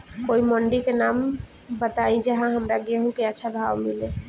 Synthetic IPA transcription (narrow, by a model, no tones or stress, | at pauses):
koimɔɳɖikenam | bət̪aĩd͡ʒəɦãɦəmɾaɡeeɦũkeətːʃʰabʱabmile